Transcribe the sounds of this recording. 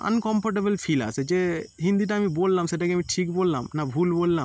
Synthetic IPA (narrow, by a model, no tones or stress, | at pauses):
ɐ̰nkɔmpʰɔɾʈ̬ebəlpʰila̰sed͡ʒeɦĩnd̪iʈ̬aːmibolːamseʈakeamiʈʰikbolːa̰mnabʱulbolːam